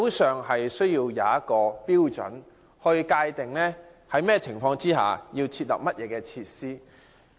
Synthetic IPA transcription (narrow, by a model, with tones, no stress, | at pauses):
wsœː˨ŋɦɐ˨jsɵ˥ɥjiː˧wjaː˨˧ɐ˥t̚kɔː˧piː˥wt͡ʃɔ̰˨˥n | hɔ˧jkaː˧jt̪ɪ˨˩ŋlɛː˥ | hɐ˨˥jmɛː˥t͡sʰɪ˨˩ŋfɔː˧ŋt͡siː˥ɦa̰ː˨jiː˧wt͡sʰiː˧t̚lɐ̰˨p̚mɐ˥t̚jɛː˨˧kɛː˧t͡sʰiː˧t̚siː˥